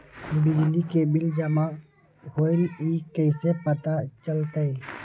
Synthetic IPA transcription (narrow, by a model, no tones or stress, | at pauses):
bɪd͡ʒlikebɪld͡ʒəmaʔ | hoɪliːkəɪsepət̪at͡ʃəlt̪əj